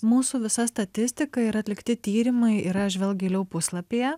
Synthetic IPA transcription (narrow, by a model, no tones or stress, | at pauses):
muːsuːʋʲɪsɐst̪ɐt̪ʲɪsʲt̪ʲɪkɐiɾɐt̪ʲlʲɪkt̪ʲɪt̪ʲiːɾʲɪmɐɪiɾɐʒʲʋʲɛlˠɡʲeːlʲɛʊpʊslˠɐpʲejɛ